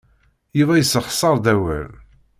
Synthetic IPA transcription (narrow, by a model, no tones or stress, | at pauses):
jivæjəsəχsˤɑɾˤd̪æwæ̰l